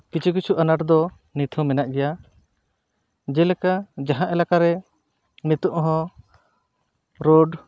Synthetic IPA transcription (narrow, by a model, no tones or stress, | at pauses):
pit͡ʃikit͡ʃʰuʔanaʈd̪ɔ | nit̪ʰɔ̃mɛnaʔɡɛja | d͡ʒɛlɛkad͡ʒaɦãʔɛlakaɾɛ | nit̪ɔʔɦɔ̃ | ɾoɖ